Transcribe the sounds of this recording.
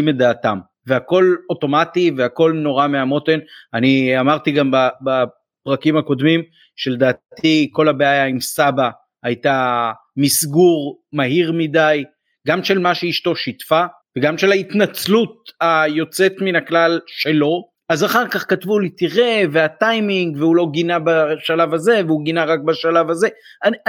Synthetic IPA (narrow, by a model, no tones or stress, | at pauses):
imed̪aːt̪am | veako̞lo̞to̞mativeako̞lno̞ʁameamo̞t̪enaniamaʁt̪iɡambaba | pʁakimako̞d̪mim | ʃeld̪aːt̪iko̞labeajaimsaba | ajt̪a | misɡuʁmaɦiʁmidaj | ɡamʃe̞lmaʃeiʃto̞ʃitfa | veɡamʃe̞lait̪nat͡slut̚ajo̞t͡se̞t̪minaklalʃe̞lo̞ | azaχaʁkaχkatvulit̪iʁe̞veat̪ajmiŋɡveulo̞ɡinabaʃalavaze̞veuɡinaʁak̚baʃalavaze̞an